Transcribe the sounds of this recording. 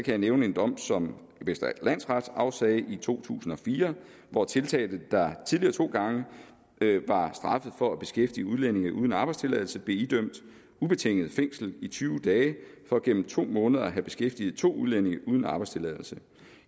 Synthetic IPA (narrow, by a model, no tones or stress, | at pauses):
kʰæjɑ̈neʊnəe̝nd̥ɒ̽m̰sɒ̽m | ʋesd̥ɐ̥læn̰sʁɑd̥sɑ̈ʊsɛːɪʔit͡sʰo̝̰ːt͡sʰṵːsn̩ɒ̽fiːɐ | ʋɒt͡sʰe̝lt͡sʰɛ̰ːd̥ð̩d̥ɑ̈t͡sʰiðˠliɐːt͡sʰo̝̰ːɡ̥ɑ̈ŋə | ʋɑ̈sd̥ʁɑ̈fð̩ˠfɒ̽æb̥e̝sɡ̥efd̥iəuðˠlene̝ŋˠuðˠən̩ɑ̈ːb̥ɑ̈ɪst͡sʰe̝lɛðˠl̩səb̥le̝id̥øm̰d̥ | ub̥e̝t͡sʰeŋ̰əð̩ˠfeŋ̰sl̩it͡sʰyːʊd̥ɛːfɒ̽ɡ̥en̰m̩t͡sʰo̝̰ːmɔ̽ːnð̩ˠɐæɦæb̥e̝sɡ̥efd̥iːð̩ˠt͡sʰo̝̰ːuðˠlene̝ŋʔuð̞ˠn̩ɑ̈ːb̥ɑ̈ɪst͡sʰe̝lɛð̰ˠl̩sə